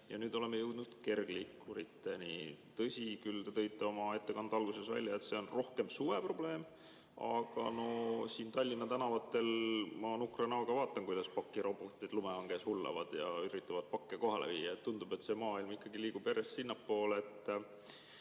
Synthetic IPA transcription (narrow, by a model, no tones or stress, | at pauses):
jɑ̰nyːd̪o̞le̞mːejɤwd̪nud̪̥ke̞rɡ̥likːuɾit̪ːˑenḭt̪ɤ̞sʲikylt̪et̪ɤ̞jt̪ˑːe̞o̞mɑe̞t̪ːe̞kɑnd̪̥ɑɑlɡ̥use̞svæ̰lʲːjɑe̞t̪se̞o̞nro̞hke̞msuve̞pro̞ble̞ːm | ɑ̰ɡ̥ɑ̰no̞siːnt̪ɑlʲːinːɑt̪ænɑvɑt̪ːˑe̞lmɑnukrɑnɑɡ̥ɑvɑːt̪ːˑɑŋkujd̪̥ɑspɑkːˑiɾo̞bot̪ːˑid̪lumeɑŋɡe̞shulːɑ̰vɑd̪̥jɑ̰yɾit̪ˑːɑvɑd̪̚pɑkːeko̞ɦɑlḛviːjːɑet̪ːund̪̥ube̞t̪ːˑse̞ːmɑːilmikːɑɡiliːɡ̥ub̥jæɾe̞st̪sinːɑpːo̞ːlet̪ːˑ